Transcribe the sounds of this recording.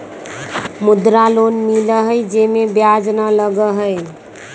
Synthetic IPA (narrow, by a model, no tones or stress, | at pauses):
mud̪ɾalonmiləɦəjd͡ʒemebjad͡ʒnələɡəɦəj